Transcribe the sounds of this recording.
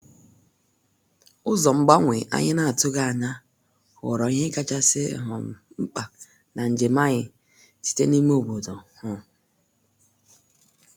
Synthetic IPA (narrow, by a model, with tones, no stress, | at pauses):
ʊ˦zɔ˨m̩˦ɡ͡ba˦ŋʷe˨ʔa̰˦ɲɪ˦na˦a˨tʊ˦ɡa˦a˨ɲa˦ | ʊ̰˨ɾɔ˨i˦ɦe˦ka˦t͡ʃa˦sɪ̰˦ɦʊ̰˨m̩˨ | ŋ͡m̩˦k͡pa˨ | na˨n̩˨d͡ʒe˨ma˦ɲɪ˨ | si̥˨tḛ˦ni˦m˦o˦˨bo˨do˨hʊ˨